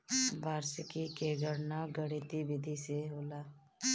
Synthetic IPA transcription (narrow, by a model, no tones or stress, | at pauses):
baːɾsəkikeːɡəɾnaɡəɽit̪ibɪd̪ʱiseɦoːlaː